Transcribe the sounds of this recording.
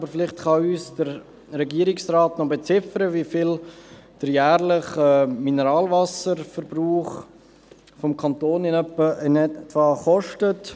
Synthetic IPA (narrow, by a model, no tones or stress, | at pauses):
bəɾfɪlɪχtχɑyːsd̥əɾ | ɾɛɡiəɾɪksraːtnɔbet͡sɪfəɾəviəfɪld̥əɾjæːɾlɪχɛːminəɾɑːlvɑsəɾfəɾbɾuːχ | fɔmkʰɑnt̪oːnɪnœpːəʔənɛtvɑːχɔʃtət